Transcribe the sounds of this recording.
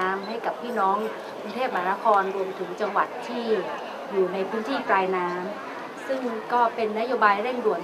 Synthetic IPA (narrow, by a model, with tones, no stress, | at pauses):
mɦa˥˩jka˨˩pʰːiː˥˩nɔː˦˥ŋ | kʰuː˧ŋt̪ʰeː˥˩p̚ma˧˩a˦na˦˥kʰɔː˧nɾu˧əmt̪ʰɯ˩˦ŋt͡ɕa˧ŋwa˨˩t̪ʰːiː˥˩ | juː˨˩na˧jpʰɯː˦˥nt̪ʰiː˥˩kɾaː˧jnaː˦˥m | sɯ˥˩ŋkɔː˥˩pe˧nːa˦˥joː˧baː˧jɾe˥˩ŋdu˨˩ən